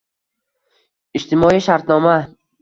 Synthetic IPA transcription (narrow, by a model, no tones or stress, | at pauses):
id͡ʒt̪imɒiʃaɾt̪nɒma